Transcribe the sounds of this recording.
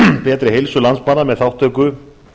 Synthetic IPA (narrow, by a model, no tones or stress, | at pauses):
pɛːt̪ɾɪɦejlsʏlanspanːamɛðθawht̪ʰœːkʏ